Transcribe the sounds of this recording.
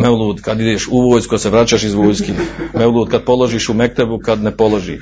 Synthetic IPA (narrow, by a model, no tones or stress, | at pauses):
meulˠuːd̪kad̪id̪eːʃuʋoːjskuseʋɾaːt͡ɕaʃizʋoːjskemeulˠuːd̪̚kad̪̚polˠoʒiːʃumek̚t̪ebukad̪nepolˠoʒḭː